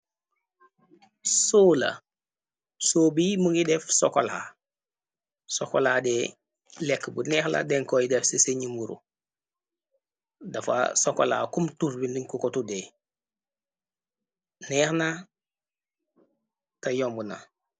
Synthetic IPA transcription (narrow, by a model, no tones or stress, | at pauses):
soːlɐ̰ | soːbimuŋɡidɛfsokola | sokolaːde | lɛkːbunɛxla̰deŋkoidɛfseseɲimuɾṵ | dafa̰sokola̰kumtuɾbindiŋkukotude | nɛːxna | tajombuna̰